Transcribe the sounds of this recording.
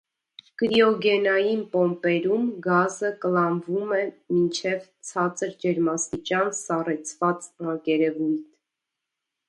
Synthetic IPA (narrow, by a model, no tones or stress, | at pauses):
kɾiɔɡɛnɑjinpɔmpɛɾumɡɑzəkəlɑnvumɛmint͡ʃʰɛvt͡sʰɑt͡səɾd͡ʒɛɾmɑst̪it͡ʃjɑnsɑrɛt͡sʰvɑt͡sɑkɛɾɛvujt̪ʰ